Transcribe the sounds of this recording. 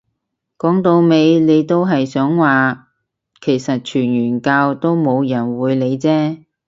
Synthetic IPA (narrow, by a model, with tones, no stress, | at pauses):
kɔː˨˥ŋt̪o˧wme˨˧jle˨˧jt̪o˥wɦɐ˨jsœː˨˥ŋwaː˨ | kʰe˨˩jsɐ˨t̚t͡ʃʰyː˨˩njyː˨˩nkaː˧wt̪o˥wmo˨˧wjɐ˨˩nwuː˨˧jle˨˧jt͡sɛː˥